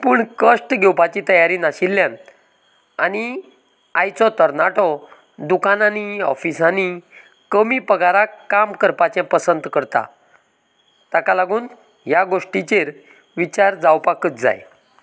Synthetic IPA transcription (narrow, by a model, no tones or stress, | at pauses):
puːɳkəʂʈɡʱɛwpat͡ɕit̪əjaɾinaɕilːjãn | ani | ajt͡sɔt̪əɾnaʈɔ | d̪ukananiɔ̰fisani | kəmipəɡaɾakamkəɾpat͡ɕjãpəsənd̪kəɾt̪a̰ | t̪akalaɡuːn | ɦjaɡoʂʈit͡ɕeɾ | ʋit͡ɕaɾd͡zawpakət͡sd͡za̰j